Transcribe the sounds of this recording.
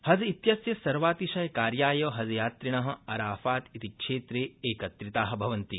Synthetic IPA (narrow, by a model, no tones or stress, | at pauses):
hɐzit̪jɐsjɐsɐɾʋaːt̪iʃɐjɐkaːɾjaːjɐːɦɐzjaːt̪ɾiɳɐɦɐ̆ɐɾaːfaːt̪it̪ikʂeːt̪ɾeːeːkɐt̪ɾit̪aːɦɐ̆bʱɐʋɐnt̪i